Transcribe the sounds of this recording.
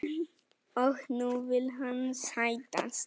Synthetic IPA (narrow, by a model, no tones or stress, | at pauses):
əkʰnuʋilɦənsãjt̪a̰s